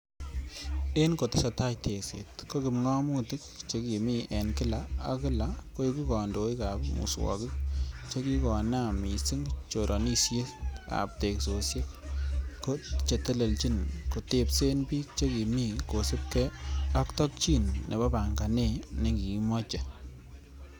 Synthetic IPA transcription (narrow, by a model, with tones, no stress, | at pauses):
e˦nko˨tɪ˦sa˨ta˦jtʰe˨ksḛ˨tko˦kɪ˨mŋɔ˦mu˦tɪ˦kt͡ʃe˦ki˨mi˦ʔɛ˨nkɪ˦la˦a˦kɪ˦la˨ko˦ji˦ku˦kɔ˨ndo˨˦i˦ka˨pmṵ˨swɔ̰˨kɪ˦k̚t͡ʃe˦ki˦kɔ˨na˦˨mi˨sɪ˦ŋt͡ʃo˨ɾʔɔ˨ni˦sje˦ska̰˨p̚te˨kso˨sje˦kko˦t͡ʃe˨tɛ˦le˨lt͡ʃi˦nko˨te˨pse˦npiː˦k̚t͡ʃe˦ki˨mi˦ko˨sɪ˦p̚kɛ˦a˦ktɔ˦k̚t͡ʃi˦nːʔḛ˨ba˦ba˨ŋɡa˨ne˦nɪ˨ki˨˦mɔ˦t͡ʃe˨